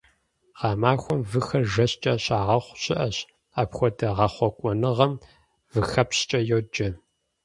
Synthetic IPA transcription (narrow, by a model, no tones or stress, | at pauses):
ʁɑːmaːxʷɔmvɨxɐrʒɐɕt͡ʃʼɐɕʼaːʁɐχʷɕɪʔɐɕ | aːpxʷɔdɐʁɐχʷɔkʷʼɔnɨʁɐm | vɨxɐpɕt͡ʃʼɐjɛwd͡ʒɐ